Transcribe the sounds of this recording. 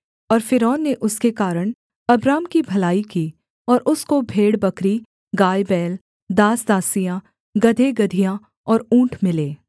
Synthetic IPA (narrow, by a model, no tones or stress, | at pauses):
ɔːɾfɪɾɔːnːeʔʊskekaːɾəɽ̃ | ɐbɾaːmkibʱɐlaːikiː | ɔːɾʔʊskobʱeːɽbɐkɾi | ɡaːjbɛːl | d̪aːsd̪aːsijã | ɡɐd̪ʱeɡɐd̪ʱijã | ɔːɾũːʈʰmɪleː